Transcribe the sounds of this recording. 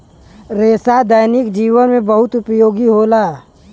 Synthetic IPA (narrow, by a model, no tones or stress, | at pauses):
ɾeːsad̪əjnɪkd͡ʒiːʋənmẽbɐɦʊt̪ʊpjoːɡiɦoːlaː